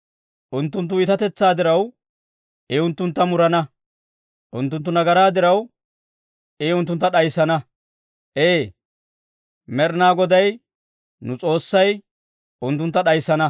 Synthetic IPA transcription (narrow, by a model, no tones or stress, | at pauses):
ʔʊnt̪ːʊnt̪̬ːʊɪt̪ɐt̪ɛt͡sːaːd̪ɪɾɐw | ɪʊnt̪ːʊnt̪ːɐmʊɾɐnɐ | ʔʊnt̪ːʊnt̪ːʊnɐɡɐɾaːd̪ɪɾɐw | ɪʊnt̪̬ːʊnt̪ːɐɗɐjsːɐnɐ | ʔeː | mɛɾnaːɡɔd̪ɐj | nʊt͡sʼo̞ːsːɐj | ʊnt̪ːʊnt̪ːɐɗɐjsːɐnɐ